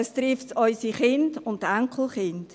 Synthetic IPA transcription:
ɛstɾɪftsɔʏsiχɪndʊndæŋkʰl̩χɪnd̥

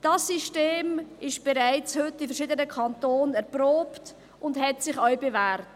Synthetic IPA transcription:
d̥ɑsːiʃteːmɪʃb̥ɛɾaɪt͡shʏtːɪfɛɾʃiːdənəkʰɑntoːnɛɾproːpt | ʊndhɛtsɪχœɥbevæːɾt

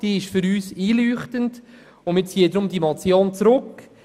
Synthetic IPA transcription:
d̥iːɪʃfʏɾyːsiːlyːχtənd | ʊmɪːt͡siːədɾʊmdimɑt͡sjoːnt͡sɾʊk

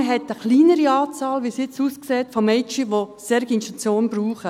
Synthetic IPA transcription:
ɦɛtəχliːnəɾiɑːt͡sɑːlʋisjɪt͡suːskseːtfɔmɛɪt͡ʃiʋosɛɾɡiɪnʃtut͡sjoːnb̥ɾuːχə

